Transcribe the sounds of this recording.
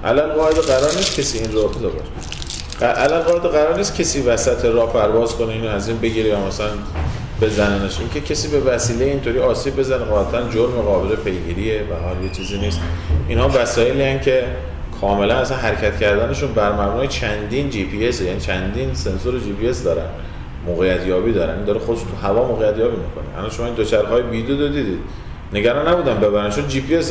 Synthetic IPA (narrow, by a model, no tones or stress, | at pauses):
ʔæ̰lælɢɒːed̪eɣæɾɒːɾniːst̪cʰesiːiːnrobet̪ʰebɒ̰ːʃe̥ | æʔælælɣɒːed̪eɣæɾɒːɾniːst̪̚cʰe̞siːvæsæt̪ʰe̞ɾɒːhpʰæɾvɒːzkʰo̞neiːnoæziːnbe̞ɟiːɾejɒːmæsælæn | b̥e̞zæneneʃʔiŋcʰecʰe̞siːbe̞væsiːlejeint̪ʰoɾiːɒːsiːbbe̞zæneɣɒːlæt̪ʰænd͡ʒoɾmeɣɒːbelepʰe̞jɡiːɾie̞væɒljet͡ʃʰiːziːniːst̪ʔinhɒːvæsɒːjeliːæncʰe̞ | kʰɒːme̞lænæsænɦæɾecʰæt̪cʰæɾd̪æne̞ʃunbæɾmæbnɒːjet͡ʃʰænd̪ind͡ʒipʰie̞sejæniːt͡ʃʰænd̪inse̞nsoɾed͡ʒiːpie̞sd̪ɒːɾæ̰n | moːɣejæt̪ʰjɒːbiːd̪ɒːɾæ̰nind̪ɒːɾexod̪eʃunt̪ʰuɦævɒːmoːɣejæt̪ʰjɒːbiːmikʰo̞neʔæ̰lɒnʃomɒːind̪ot͡ʃʰæɾɦɒːjebid̪od̪od̪iːd̪iːd̪ | ne̞ɡæɾɒnːæbuːd̪ænbe̞bæɾænt͡ʃʰond͡ʒiːpʰies